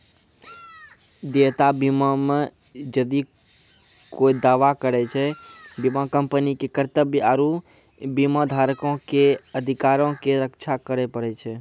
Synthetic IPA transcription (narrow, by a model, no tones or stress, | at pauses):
d̪eʋt̪abimamẽ | d͡ʒəd̪i | koid̪aːʋakəɾet͡ʃʰɛbimakəmpənikekəɾt̪əbaɾu | bimad̪ʱaɾkõkeəd̪ʱɪkaɾõkeɾəkt͡ʃʰakəɾepəɽet͡ʃʰɛ